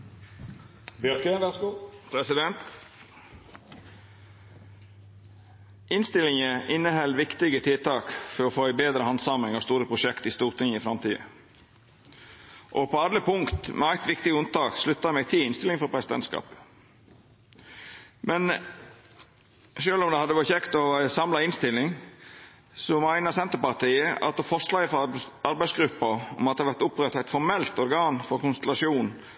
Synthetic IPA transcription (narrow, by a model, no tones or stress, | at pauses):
bjœkəʋɛskupʰɾɛsɪd̪ɛnt̪ | ʔɪnst̪ɪlɪŋəʔɪnːəhɛlʋɪkt̪ɪɡət̪ʰɪlt̪ʰɑːkfɔɾɔfoːɪbeːd̪ɾəhɑnsɑmɪŋɑʋst̪uːɾəpʰɾʊʃɛkt̪ɪst̪uːʁt̪ʰɪŋɪfɾɑmt̪ʰiːə̰ | ʔɔpʰoːɑd̪ləpʰʊŋkt̪mʔɛ̰æɪt̪ʋɪkt̪ɪɡʉnt̪ɑːkʂlʉt̪ːɑmɛɡ̚t̪ʰɪlɪnst̪ɪlɪŋfɔpʰɾɛsɪd̪ɛ̰nskɑ̰ːp | mɛn | ʃøːlɔmd̪ɛhɑd̪ːəʋɔçɛkt̪ɔsɑmlɑɪnst̪ɪlːɪŋ | sɔmæɪnəɾsɛnt̪əpɑʁt̪ʰiːəʔɑ̰t̪̚d̪ɛfɔʂlɑːəfɔɑɾbæɪsɡɾʉpːɑɔ̰mɑt̪ɛhɑʋæɾt̪ʊpɾɛt̪ːɑæɪt̪fɔɾmɛlt̪ɔɾɡɑːnfɔɾkʊnst̪ɛlɑʂuːn